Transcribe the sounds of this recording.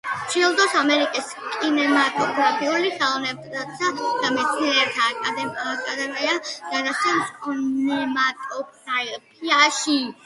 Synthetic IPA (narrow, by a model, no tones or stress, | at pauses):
t͡ʃʰilˠd̪ɔsamɛɾikʼis | kʼinɛmat̪ʼɔpʰɾapʰiuliχɛlˠɔvnɛbt̪ʼasad̪̥amɛt̪sʰniɛɾt̪ʰad̪ɛakʼad̪ɛmiad̪̥ad̪at̪ʰɛmsnɛmat̪ʼɔp̚ʰaipʰiaʃi